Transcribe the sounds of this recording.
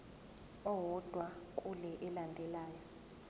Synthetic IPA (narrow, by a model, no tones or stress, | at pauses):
ɔwɔd̥ʱwakʼulɛʔɛlandʱɛlaːjɔ